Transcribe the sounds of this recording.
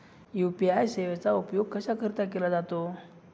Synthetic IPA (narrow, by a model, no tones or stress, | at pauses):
jupiajseʋet͡saupjoɡ̚kəsakʰəɾt̪ak̬elad͡zat̪o